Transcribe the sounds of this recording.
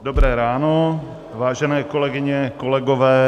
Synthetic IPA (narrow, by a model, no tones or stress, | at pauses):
dobɾɛːɾaːno | vaːʒɛnɛːko̞lɛɡɪɲɛkolɛɡovɛː